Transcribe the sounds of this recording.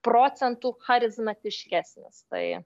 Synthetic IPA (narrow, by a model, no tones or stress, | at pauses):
pɾoːsʲɛnt̪uːxɐɾʲɪzmɐt̪ʲɪʃʲkʲæːsʲnʲɪ̰st̪ɐ̰ɪ